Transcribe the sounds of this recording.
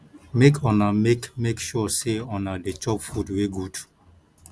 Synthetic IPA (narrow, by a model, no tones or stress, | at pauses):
mekʰɔ̃namekmekʃɔseɔ̃nadet͡ʃɔpfudweɡud